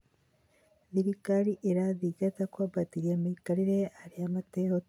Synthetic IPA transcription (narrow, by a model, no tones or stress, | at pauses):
ðiɾikaɾiʔeɾaðiɡatakwabatiɾiamiikaɾiɾeaɾiamateho